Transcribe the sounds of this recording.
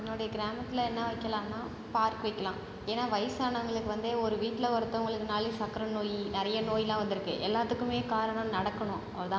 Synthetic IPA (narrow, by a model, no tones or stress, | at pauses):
ɛnːoːɽɐjɐɡɪɾaːmɐt̪ːɪlɐɛnːɐʋɐɪkːɐlãːnːaː | paːɾkɯʋɐɪkːɐlãː | eːnːaːʋɐɪjsaːɳɐɐŋɡɐɭɯkːɯʋɐnd̪eɔɾɯʋiːʈːɪlɐʋɐɾɯt̪ːɐ̃ʊŋɡɐɭɯkːɯnaːlisɐkɐɾɐnoːjinɪɾɐjɐnoːjɪlãːʋɐnd̪ɪɾɯkːɯʔɛlːaːt̪ːɯkːɯmeːkaːɾɐɳɐ̃mnɐɽɐkːɐɳʊ̃ɐɐlɐt̪ãː